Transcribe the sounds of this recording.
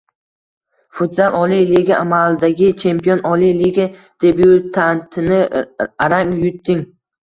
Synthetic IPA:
fʊt̪zalˠʔɒlijliɡʲaʔamalɪd̪aɡʲɪt͡ʃʰe̞mpijonʔɒlijliɡʲa | d̪̥ebjut̪ʰant̪ʰɪnɪaɾaŋjʊt̪ʰːɪŋ

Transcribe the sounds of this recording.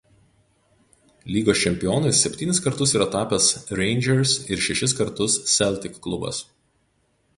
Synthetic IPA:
lʲiːɡoːsʲt͡ʃʲɛmʲpʲɪjoːnɐɪsʲɛpʲt̪ʲiːnʲɪskɐɾt̪ʊsiːɾɐt̪ɑːpʲɛsɾʲɛɪnʲd͡ʒʲɛɾsɪɾʃʲɛʃʲɪs̬kɐɾt̪ʊssʲɛlʲˑt̪ʲɪkkːlˠʊbɐ̰s

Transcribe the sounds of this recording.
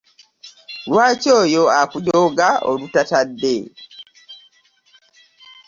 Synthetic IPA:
lwaːco̞ːjo̞akujoːɡaʔolutatadːe

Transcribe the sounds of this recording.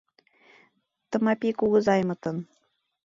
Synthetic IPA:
t̪ɤ̆mɑpʲikuɣɤ̆zɑjmɤ̆t̪ɤ̆n

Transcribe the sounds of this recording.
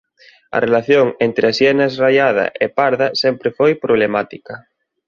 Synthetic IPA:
ɐ̰rʔelaθjoŋent̪ɾasjɛnɐezrajað̞ɐ̰ʔepaɾðɐsɛmpɾefojpɾoβlemat̪ikɐ

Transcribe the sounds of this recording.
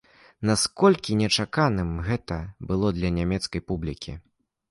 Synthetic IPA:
naskɔlʲkʲinʲɛt͡ʂakanɨmɣɛt̪ɐbɨlˠɔd̪lʲɐnʲamʲɛt̪skɐjpublʲikʲḭ

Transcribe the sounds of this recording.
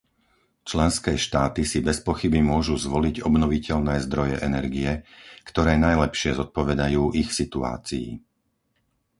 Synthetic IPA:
t͡ʃlɛnskɛːʃt̪aːt̪isibɛspɔxibimʊɔʒuzʋɔliɟɔbnɔʋicɛʎnɛːzd̪ɾɔjɛʔɛnɛɾɡijɛkt̪ɔɾɛːnajlɛpʃɪɛzɔt̪̚pɔʋɛd̪ajuːʔixsit̪ua̰ːt͡sijḭ

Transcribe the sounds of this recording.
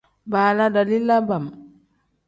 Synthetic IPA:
baːladalilːabam

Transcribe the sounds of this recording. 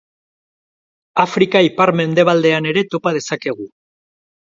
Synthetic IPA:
afɾikaipaɾme̞nd̪e̞β̞ald̪e̞ane̞ɾe̞t̪o̞pað̞e̞sake̞ɣ̞u

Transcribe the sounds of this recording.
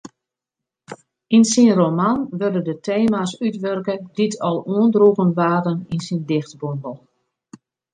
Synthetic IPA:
insinromanʋørdədətʰeːmasytʋørkəditʰɔlˠuəndruɣənʋaːdəninsindɪxtbonbəlˠ

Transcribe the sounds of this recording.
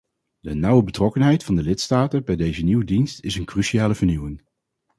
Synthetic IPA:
d̥ənʌwəbətrɔkənɦɛjtfɑndəlɪtstaːtəbɛjdejzəniwədinstɪsənkryʃiaːləvəɹniwɪŋ

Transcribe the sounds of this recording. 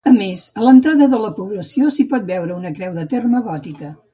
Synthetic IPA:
əmezələnt̪ɾaðəðələpuβləsiosipɔt̪̚bɛwɾəunəkɾɛwðət̪erməɣɔt̪ikə

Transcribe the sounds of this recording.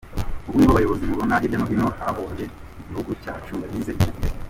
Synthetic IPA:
uβuŋɡoβajo̞βozimuβonaɟianoβinoaβoje | uɟihuɡuca̰ːt͡ʃuŋɡaɾizeiie

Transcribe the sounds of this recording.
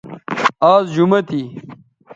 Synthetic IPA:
aːzd͡ʑumɐt̪i

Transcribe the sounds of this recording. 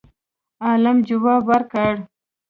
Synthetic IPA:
alamd͡ʒuwabaɾkaɽ

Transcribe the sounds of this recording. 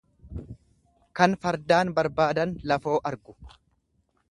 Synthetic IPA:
kɐnfɐɾd̪aːnbɐɾbaːd̪ɐnlɐfo̞ːʔɐɾɡʊ̥

